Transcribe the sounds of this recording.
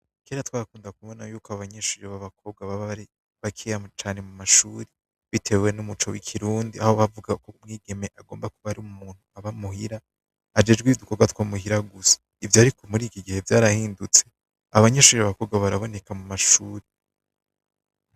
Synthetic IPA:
keːɾatwaːɾakuːndakuβo̞najuːkaβaɲeːʃuːɾiβaβakʰo̞ːb̚ɡwaβaɾi | βakʰijamt͡ʃaːne̞mumaʃuːɾe | βitʰe̞we̞numut͡ʃowikʰiɾuːndiahoβavuɡakomŋiːɡe̞me̞ʔaɡo̞ːmbakuβaɾiumumuːn̥huaβamuhiɾaː | d͡ʒe̞d͡ʒɡwiduko̞ɡwatwaːmuɦiɾaɡusḁ | ivjaːɾikʰo̞muɾiːkiɡihe̞vjaːɾahiːndut͡se̞ | aβaɲeːʃuːɾiβaβako̞ːbɡwaβaɾaβo̞ne̞kamumaʃuːɾe

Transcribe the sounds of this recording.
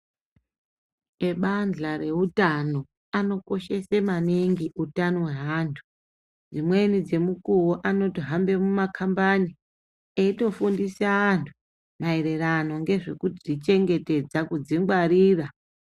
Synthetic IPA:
e̞ɓand͡ɮaɾe̞utano̞ | ano̞ko̞ʃe̞semaniŋɡiutanoeɦaːntʰu̥ | d͡zimwe̞nid͡ze̞mukuwoʔano̞tiɦambe̞mumakʰambani | eito̞fundisaːntʰu̥ | mae̞ɾe̞rano̞ŋɡe̞ʐe̞kutiʐit͡ʃe̞ŋɡe̞te̞d͡zakud͡ziŋɡwaɾiːra

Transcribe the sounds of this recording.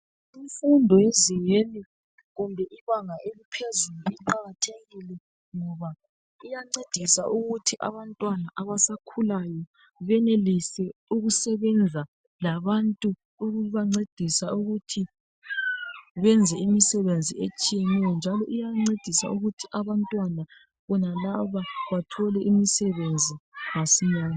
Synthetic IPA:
iɱfundʱɔjeziɣeni | ɣumbʱɛʔiβaŋaʔelipʰezuluiǃaɣatʰeɣilɛ | ŋɔβa | ijaŋ͡ǀed̥ʱisaʔuɣutʰiʔa̰βantʼwanaʔaβasakʰulajɔ | βɛnelisɛuɣusɛβɛnd͡zʱa | laβantʼuː | ɣuβaŋ͡ǀed̥ʱisauɣutʰi | βɛnd͡zʱɛimisɛβend͡zʱiet͡ʃʼijɛnɛjɔnd͡ʒʱalɔʔijaŋ͡ǀed̥ʱisa̰uɣutʰiʔaβantʼwana | βɔnalaβaβatʰɔlɛʔimisɛβend͡zʱiɣasiɲaːna

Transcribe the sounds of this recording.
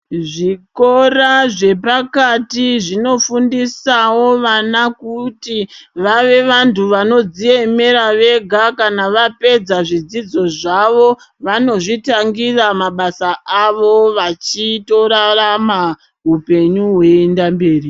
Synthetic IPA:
ʐiko̞raʐe̞pakatiʐino̞fundisawo̞ʋanakutiʋaʋe̞ʋantʰuʋano̞d͡zie̞me̞ɾaʋe̞ɡʱakanaʋape̞d͡zaʐid͡zid͡zo̞ʐaʋo̞ | ʋano̞ʐitaŋɡiramaɓasaʔaʋo̞ʋat͡ʃito̞ɾarama | ɦupe̞ɲuɦwe̞ːndambe̞ːri

